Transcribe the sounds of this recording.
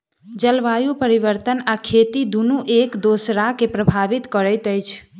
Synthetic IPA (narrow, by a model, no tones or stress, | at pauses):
d͡ʒəlʋajupəɾiʋəɾt̪ənakʰet̪id̪unuʔekd̪osɾakepɾəbʱaʋit̪kəɾət̪əjt͡ʃʰ